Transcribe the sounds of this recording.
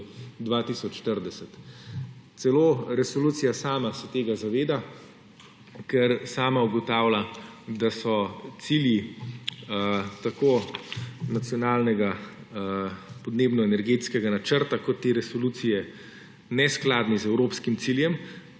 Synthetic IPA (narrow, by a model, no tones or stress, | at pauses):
d̪ʋat̪isɔt͡ʃʃt̪əɾd̪ɛsɛt̪ | t̪sɛloːɾɛsoluːt̪sijasaːmasɛt̪eːɡazaʋeːd̪a | kɛɾsaːmauɡɔt̪aːwlad̪asɔt̪silji | t̪akoː | nat̪sjɔnaːlnɛɡa | pɔd̪neːbnɔɛnɛɾɡeːt̪skɛɡanat͡ʃəɾt̪akɔt̪ːeːɾɛsoluːt̪sijɛ | nɛsklaːd̪nizɛwɾoːpskimt̪siljɛm